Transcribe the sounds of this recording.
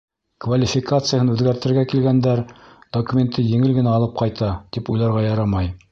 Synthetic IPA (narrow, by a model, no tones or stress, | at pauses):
kvalʲɪfʲɪkat̪sɨjəhɤnʉðɡæɾt̪ɘ̆ɾɡækilɡænd̪æɾd̪̥okumʲe̞nt̪ʰːɤjɘ̆ŋɘlɡɘ̆næɑlˠɤp̚qɑjt̪ɑt̪ipujlˠɑɾʁɑjɑɾɑmɑj